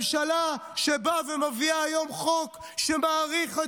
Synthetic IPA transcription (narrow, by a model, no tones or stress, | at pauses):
mʃalaʃebavemaviaːjo̞mχo̞k | ʃemaːʁiχa